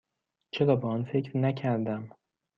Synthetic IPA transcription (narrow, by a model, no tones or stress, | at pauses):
t͡ʃʰe̞ɾɒːbeɒnfe̞cɾnæcʰæɾd̪æm